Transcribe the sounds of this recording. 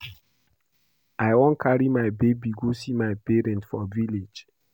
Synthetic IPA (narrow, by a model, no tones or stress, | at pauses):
ajwɔ̃nkʰaɹimajbebiɡosimajpɛɹɛ̃ntfɔ̰viled͡ʒ